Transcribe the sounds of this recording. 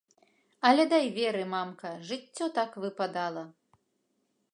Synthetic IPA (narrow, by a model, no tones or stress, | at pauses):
ɐlʲɛd̪ajvʲɛɾɨmamkɐʐɨt͡st͡sʲːɔt̪akvɨpad̪alˠɐ